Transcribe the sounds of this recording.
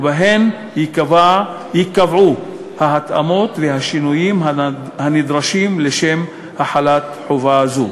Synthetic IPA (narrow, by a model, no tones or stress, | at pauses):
baɦen | hikava | jikavʕu | haɦat̪a̰mo̞t̪veɦaʃinujimɦahanid̪ʁaʃimleʃe̞m | haħalat̪ħovaazu